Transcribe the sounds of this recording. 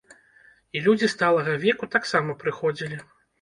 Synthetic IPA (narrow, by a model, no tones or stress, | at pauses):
ilʲud͡zʲist̪alˠɐɣɐvʲɛkut̪aksamɐpɾɨxɔd͡zʲilʲi